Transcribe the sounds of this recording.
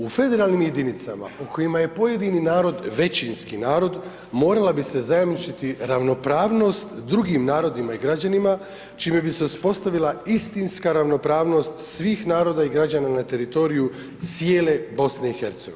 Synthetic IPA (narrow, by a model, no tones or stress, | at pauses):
ufe̞d̪e̞ɾaːlˠnimje̞d̪init̪sa̰ma̰uko̞jimaje̞po̞je̞d̪ininaːɾo̞d̪ʋe̞t͡ɕinskinaːɾo̞d̪ | mo̞ːɾalabise̞zajamnit͡ʃit̪iɾaʋno̞pɾaːʋno̞st̪d̪ɾuɡimnaːɾo̞d̪imaiɡɾad͡ʑanima | t͡ʃiːme̞bise̞uspo̞st̪aʋilˠaist̪inskaɾaʋno̞pɾaːʋno̞st̪sʋiːxnaːɾo̞d̪aiɡɾad͡ʑananat̪e̞ɾit̪o̞ɾiju | t̪sije̞ːle̞bo̞sne̞ixe̞ɾt̪seɡo